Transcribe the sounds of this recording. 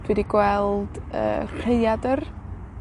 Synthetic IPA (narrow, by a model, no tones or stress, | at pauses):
v̥ɨdiɡwɛlˠd̥ə̰ːreɨjadər